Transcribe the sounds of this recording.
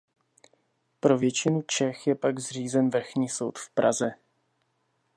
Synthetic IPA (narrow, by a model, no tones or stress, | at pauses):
pɾo̞vjɛt͡ʃɪnut͡ʃɛxjɛpaɡzr̝iːzɛnvr̩xɲiːso̞wt̪fpɾa̰zɛ